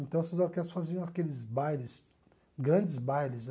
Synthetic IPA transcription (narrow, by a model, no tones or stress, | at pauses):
ẽnt̪ɐ̃w̃sezaɾkɛlʊsfaziõakelɪzbajlɪs | ɡɾɐ̃d͡ʒɪzbajlɪz